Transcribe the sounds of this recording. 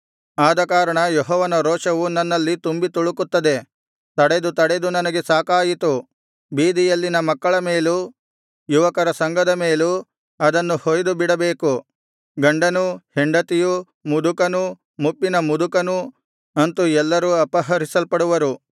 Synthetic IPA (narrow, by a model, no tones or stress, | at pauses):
aːd̪ɐkaːɾɐɳɐjɔɦɔːʋɐnɐɾɔːʂɐʋunɐnːɐlːit̪umbit̪uɭukut̪ːɐd̪e̞ | t̪ɐɽed̪ut̪ɐɽed̪unɐnɐɡe̞saːkaːjit̪u | biːd̪ijɐlːinɐmɐkːɐɭɐme̞ːlu | juʋɐkɐɾɐsɐŋɡɐd̪ɐmeːlu | ɐd̪ɐnːuhoːjd̪ubiɽɐbeːku | ɡɐɳɖɐnuheɳɖɐt̪iju | mud̪ukɐnu | mupːinɐmud̪ukɐnu | ɐnt̪uɛlːɐɾuɐpɐɦɐɾisɐlpɐɽuʋɐɾu